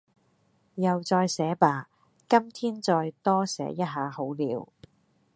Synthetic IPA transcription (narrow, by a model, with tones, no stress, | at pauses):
jɐ˨wt͡sɔː˧jsɛː˨˥paː˨ | kɐ˥mt̪ʰiː˥nt͡sɔː˧jt̪ɔː˥sɛ̰ː˨˧˥jɐ˥t̚ɦaː˨˧ho˨˥wliː˨˥w